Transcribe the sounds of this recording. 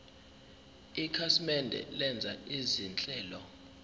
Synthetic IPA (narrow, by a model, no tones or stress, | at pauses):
ikʰasimɛndʱɛ̰lɛnd͡zʱa̰izint͡ɬʼɛːlɔ